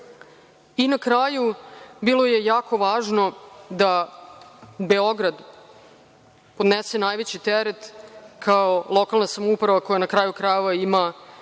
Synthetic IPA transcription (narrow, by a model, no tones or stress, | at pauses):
inakɾaːjubilo̞je̞jaːko̞ʋaːʒno̞d̪a | be̞oɡɾad̪ | pod̪nese̞naːjʋet͡ɕit̪eɾet̪kʰaolˠo̞kalˠnasamupɾaʋako̞janakɾaːjukɾajeʋaima